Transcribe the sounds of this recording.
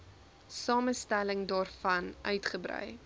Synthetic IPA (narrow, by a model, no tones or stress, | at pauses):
sɑːməstæləŋdɑːrfɐnʔœɥtχəbrœ̰j